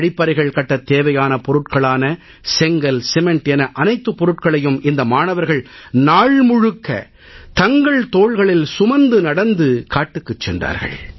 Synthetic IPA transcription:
ɽɪpːɐɾɐɪɣɐɭkɐʈːɐt̪ːeːʋɐjaːnɐpɔɾɯʈkɐɭaːnɐ | sɛŋɡɐlsɛmɛɳʈɛnɐʔɐnɐɪt̪ːɯpːɔɾɯʈkɐɭɐjɯmɪnd̪ɐmaːɳɐʋɐɾɣɐɭnaːɭmʊɻɯkːɐ̰ | t̪ɐŋɡɐɭt̪oːɻɣɐɭɪlsʊmɐnd̪ɯnɐɽɐnd̪ɯkaːʈːɯkːɯt͡ʃːɛ̰ndra̰ːɾɣɐ̰ɭ

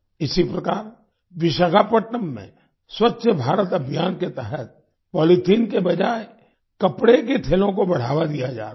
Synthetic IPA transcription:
ɪsipɾɐkaːɾ | ʋɪʃəɡaːpəʈːəmːḛ̃ | swətːʃəbʱaːɾət̪ɐbʱjaːnket̪ɛɦət̪̚ | pɔːlit̪ʰiːnkebɐd͡ʒaːe | kɐpɽeket̪ʰeːlõk̬obɐɽ̤aːʋad̪ijad͡ʒa̰ːɾa

